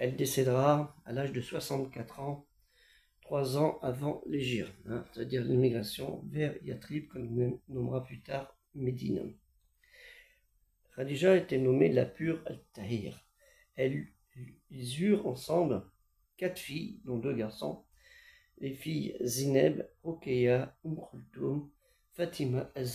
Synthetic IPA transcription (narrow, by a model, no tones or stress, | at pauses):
ɛld̪esɛd̪ʁaalaʒd̪əswasɑ̃t̪kat̪χɑ̃ | t̪χwazɑ̃ʔavɑ̃leʒiʁɛ̃se̥t̪ad̪iʁlimiɡʁasjɔ̰̃vɛʁjat̪χibkɔ̃nnɔmʁaplyt̪aʁ | med̪ḭn | ʁad̪iʒaet̪ɛnɔmela̰pyʁalt̪aiʁ | ɛ | ilzyʁɑ̃sɑ̃bl | kat̪χfijd̪ɔ̃d̪øɡaʁsɔ̰̃ | lefijzinɛ̰bʁɔkʲejaumkχult̪om | fat̪ʰimaʔaz